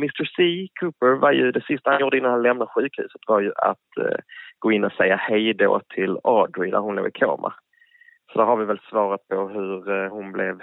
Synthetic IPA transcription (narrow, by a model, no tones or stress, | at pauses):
mɪst̪əɾsiːkʰʉːpəɾvaɾjɵd̪ɛsɪst̪ahanjʊːɖ̪əɪnanhanlɛmnaɧʉ̟ːkhʉ̰ːsət̪vɑɾjɵʔa̰t̪ɡ̥oːɪnːɔsɛjːahɛjd̪o̰ːt̪ʰɪlɑːd̪ʊɪd̪æ̰ɾhʊnlo̰ːɡɪkʰo̰ːmʔa̰ | sɔd̪æɾhaɾvɪvɛlsvɑːɾat̪̚pʰɔɦɵɾhʊnblɛv